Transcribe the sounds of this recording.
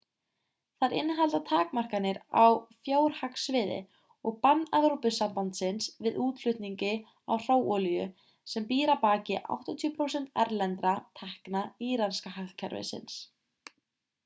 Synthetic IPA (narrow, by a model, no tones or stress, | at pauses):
θaɾɪ̰nɦalt̪at̪ʰaːkmar̥kanːɪɾa̰wfjoːwɾ̥haksvɪːðɪ̰ | ɔɣpanːaɣɾopʏsampant̪sɪnsvɪðuːt̪lʏht̪niɲcɪ | a̰wr̥oːwɔljʏ | sɛmpiːɾapaːcɪʔa̰wht̪ɔt̪ʰjʏpʰɾowsɛn̥t̪a̰ɾlɛnt̪ɾat̪ʰahknaiːɾanskahaklcʰɛɾvɪ̰sɪ̰ns